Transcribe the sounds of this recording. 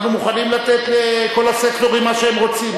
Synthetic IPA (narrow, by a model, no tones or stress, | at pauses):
numuχanimlat̪e̞t̪leko̞lasekt̪o̞ʁimːaʃeemʁo̞t͡sim